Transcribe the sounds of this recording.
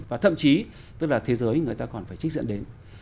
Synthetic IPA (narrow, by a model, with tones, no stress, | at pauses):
vaː˨˩t̪ʰə̰˧˨mt͡ɕi˨˦ | t̪ɨ˦˥k̚laː˨˩t̪ʰe˨˦zəː˨˦jŋɨ˨˩əjt̪aː˧kɔ˨˩nfaː˧˩jt͡ɕi̟˦˥zɨ̰˧˥nɗe˨˦n